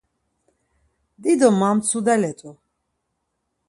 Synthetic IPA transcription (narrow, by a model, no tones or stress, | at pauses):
d̪id̪ɔmamt̪sʰud̪ɛlɛt̪ʼu